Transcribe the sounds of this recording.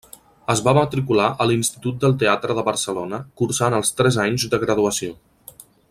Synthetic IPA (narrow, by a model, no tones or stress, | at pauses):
əzβamət̪ɾikulaʔəlinst̪it̪ut̪̚d̪əlˠt̪eat̪ɾəðəβəɾsəlonəkuɾsanəlˠst̪ɾɛzaɲzd̪əɣɾəðuəsio